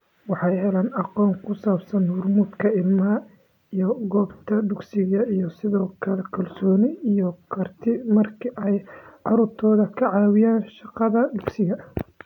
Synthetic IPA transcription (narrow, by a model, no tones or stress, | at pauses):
wɑħɑjɛlɐnɑqɔːŋkʰʊsaːbsɐnhʊrmuːd̪kʰɐɪlmɐ | ijɔɡɔːbt̪ʰɐɖ̪ʊɡsɪɣɐijɞsɪðɔːkʰɐlɛkʰɐlsɔːnɪijɔkʰɐrt̪ʰɪmɐrkʰɪʔɛjʕɑɾʊrt̪ʰɔːðɐkʰɐʕɑːwɪjaːnʃɑqɑðɐd̪ʊɡsɪɣɐ